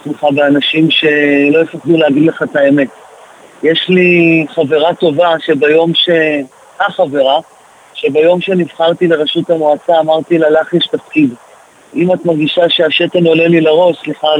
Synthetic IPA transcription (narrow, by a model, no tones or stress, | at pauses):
smeχabeanaʃimʃe̞lo̞efaχd̪uleaɡidle̞χat̪ae̞me̞t | jeʃliχave̞ʁato̞vaʃe̞bajo̞mʃe̞ | haχave̞ʁa | ʃe̞bajo̞mʃe̞nivχaʁt̪ile̞ʁeʃutamoat͡saːmaʁt̪ilalaχjeʃtafkid | imat̪maʁɡiʃaʃe̞aʃeteno̞lelilaʁo̞ʃsliχa